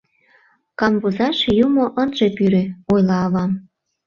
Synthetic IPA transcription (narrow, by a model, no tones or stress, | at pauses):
kɑmvuzɑʃjumoʔənʒepyɾøojlɑːβɑm